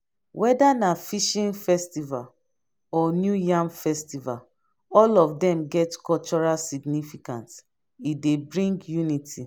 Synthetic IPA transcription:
wʔɛdanafiʃĩnfɛstival | ɔnjujãmfɛstival | ɔlɔfdɛ̃mɡɛtkɔlt͡ʃɔɹasiɡnifikãnt | idebɹĩŋɡjunitʰi

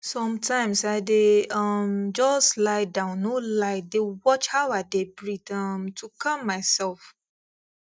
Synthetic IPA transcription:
sɔ̃mtʰãɪ̃msaɪdeʔʌmd͡ʒɔslaɪdãʊ̃nːolaɪt̚dewɔt͡ʃhawadebɹitʌmtʰukʰãmːaɪsɛlf

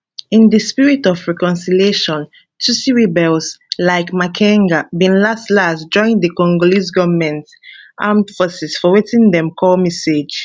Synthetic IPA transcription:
ĩndəspiɹitɔfɹɛkɔ̃nsilieʃɔ̃n | tusiɹibɛlslaɪkmakʰɛ̃ŋɡabĩnlastlasd͡ʒɔ̃ɪ̃ndəkɔ̃ŋɡolisɡɔvəmɛ̃nt | ʔãmfəsisfɔwetĩndɛ̃mkʰɔlmɛsed͡ʒ

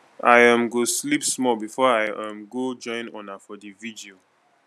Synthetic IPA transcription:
aɪãmɡoslipsmɔlbifɔaɪãmɡod͡ʒɔ̃ɪ̃nɔ̃nafɔdividio

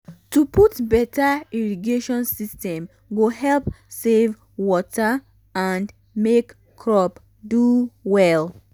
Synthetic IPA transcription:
tupʰutbɛtʰaiɹiɡeʃɔ̃nsistɛ̃m | ɡohɛlp | sev | wɔtʰa | ãnd | mek | kʰːɹɔp | duwɛl

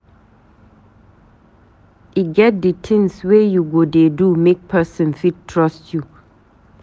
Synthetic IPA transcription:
iɡɛt̚ditʰɪ̃ŋswejuɡodedumek̚pʰɛsə̃nfit̚tʰɹɔstʰju

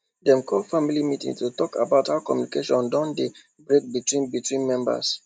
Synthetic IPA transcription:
dɛ̃mkʰɔfamilimitḭ̃ŋtutɔka̰baʊthaʊkɔ̰mjunikeʃɔ̃ndãnde | bɹek̚bitwĩnbitwĩnmɛ̃mba̰s

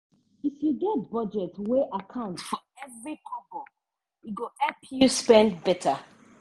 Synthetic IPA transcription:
ifjuɡɛt̚bɔd͡ʒɛtweʔakʰãʊ̃ntfɔ | ɛvɹikʰɔbɔ | juɡoɛpʰjuspɛ̃ndbɛtʰa

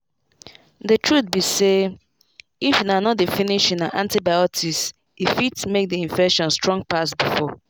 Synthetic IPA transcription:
dətʰɹut̚bise | ifinanɔtdefiniʃĩnaʔã̰ntibajɔtʰis | ifitmek̚diĩɱfɛkʃɔ̃nstɹɔ̃ŋɡ̚pasbifɔ

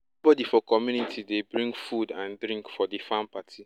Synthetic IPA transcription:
bɔdifɔkɔmjunitʰidebɹĩŋɡfudãndɾĩŋkfɔdifãmpatʰi

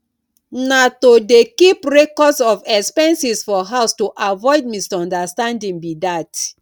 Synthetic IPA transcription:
natodekipɹekɔsɔvɛkspɛ̃nsisfɔɦaʊstuʔavɔɪd̚mistɔ̃ndastãndĩŋbidat

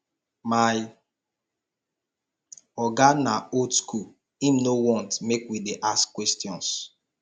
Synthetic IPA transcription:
maj | ɔɡanaodskʰul | ĩmnowɔ̃ntmekwideʔaskkːwɛstjɔ̃ns

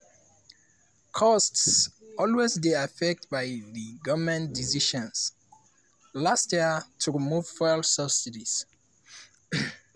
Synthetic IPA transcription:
kʰɔstsɔlwezdeafɛk̚tbaɪðəɡʌvmɛ̃ndisiʃɔ̃ns | lastjiətʰuɹimuv̥fɛlsʌbsiɾis

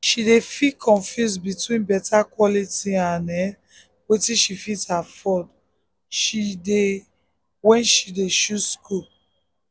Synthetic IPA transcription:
ʃidefikʰɔ̃ɱfjus̬bitwĩnbɛtakwɔlitiãnɛ | wetiʃifithafɔd | ʃide | wɛ̃nʃideʃuskʰul

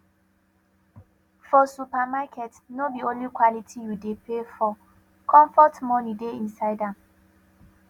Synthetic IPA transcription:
fɔsupamakɛtnobiõnlikwalitʰijudepʰefɔ | kʰɔ̃ɱfɔtmɔnideĩnsaɪdãm

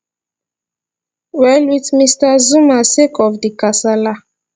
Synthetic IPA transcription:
wɛlwitmistazumasekʰɔfdikasala

